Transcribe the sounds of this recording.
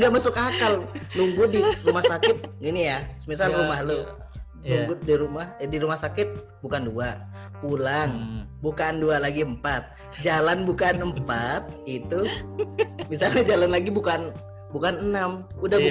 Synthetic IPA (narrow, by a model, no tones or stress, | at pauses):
ŋɡaʔmasʊkakalnuŋɡʊdirumahsakɪt̪̚inijasəmisalumahlo | nuŋɡʊdiɾumahdiɾumahsakɪt̪̚ | bukandua | pulaŋbukaːndualaɡiəmpat̪̚ | d͡ʒalanbukanəmpat̪̚it̪u | misalɲad͡ʒalanlaɡibukan | bukanənamudah